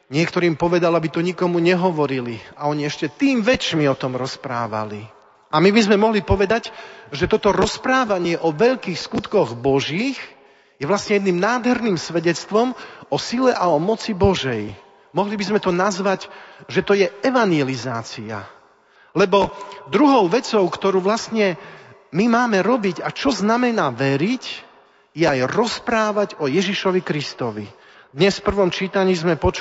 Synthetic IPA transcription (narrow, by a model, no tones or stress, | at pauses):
ɲɪɛkt̪ɔɾiːmpɔʋɛd̪alabit̪ɔɲikɔmuɲɛɦɔʋɔɾiliaɔɲiɛʃcɛt̪iːmʋɛt͡ʃmiɔt̪ɔmɾɔspɾa̰ːʋa̰li | ʔamibizmɛmɔɦlipɔʋɛd̪aɟʒɛt̪ɔt̪ɔɾɔspɾaːʋaɲɪɛʔɔʋɛʎkiːxskut̪kɔɣbɔʒiːx | jɛʋlasɲɛjɛd̪niːmnaːd̪ɦɛɾniːmsʋɛɟɛt͡st̪ʋɔmɔsilɛʔaɔmɔt͡sibɔʒɛj | mɔɦlibizmɛt̪ɔnazʋaɟʒɛt̪ɔjɛɛʋanjɛlizaːt͡sia̰ | lɛbɔd̪ɾuɦɔʊʋɛt͡sɔʊkt̪ɔɾuːʋlasɲɛmimaːmɛɾɔbiɟat͡ʃɔznamɛnaːʋɛɾic | jɛajɾɔspɾaːʋaɟɔjɛʒiʃɔʋikɾist̪ɔʋḭ | d̪ɲɛsfpr̩ʋɔmt͡ʃiːt̪aɲiːzmɛpɔt͡ʃ